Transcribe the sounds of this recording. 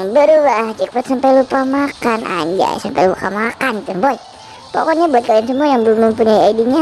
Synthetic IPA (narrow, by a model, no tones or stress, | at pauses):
bəɾulat͡ʃikpat̪sampajlupamakanʔa̰ɲd͡ʒa̰sampajlukamakanip̪unboɛt̚ | po̰kɔɲabɔt̪̚kaliansəmuajaŋbəlʊmːəmpuɲaiaidiɲa